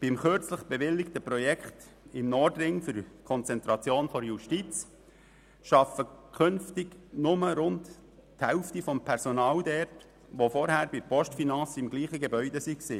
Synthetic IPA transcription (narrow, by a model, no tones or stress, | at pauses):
b̥ɪmχøɾt͡sləχb̥ɛʋɪlːɪktəpɾɔjɛkχt̪ | ɪmnɔɾdɾɪŋfyɾkʰɔnt͡sɛnt̪ɾɑt͡sjoːnfɔɾjuʃtit͡s | ʃɑfəkʰʏnftɪɡnʊməɾʊnt | thɛʊftifɔmpʰɛɾsɔnɑːld̪ɛrt | ʋofɔɾhæːɾbɪpʰɔʃtfinɑnsɪmɡliːχəɡebœʏdɛsiksiː